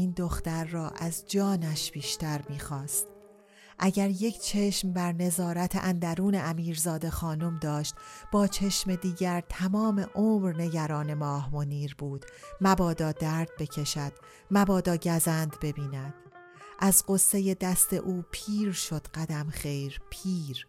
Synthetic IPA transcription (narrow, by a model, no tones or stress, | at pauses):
ind̪o̞xt̪æɾːɒːʔæzd͡ʒɒːnæʃb̥iːʃt̪æɾmiːxɒːst̪ | ʔæɟæɾje̞cʰt͡ʃʰe̞ʃmbæɾne̞zɒːɾæt̪ʰḛʔænd̪æɾuːneʔæmiːɾzɒːd̪e̞xɒːnomd̪ɒːʃt̪b̥ɒːt͡ʃʰe̞ʃme̞d̪iːɟæɾt̪ʰæmɒːmeʔomɾne̞ɟæɾɒːne̞mɒːhmoniːɾbuːd̪̥mæbɒːd̪ɒːd̪æːɾd̪̚be̞cʰe̞ʃæd̪̥ | mæbɒːd̪ɒːɟæzænd̪be̞biːnæd̪̥̚ | ʔæzɢo̞sːe̞je̞d̪æst̪e̞̰ʔuːpʰiːɾʃo̞d̪̥ɢæd̪æmχejɾpʰiːɾ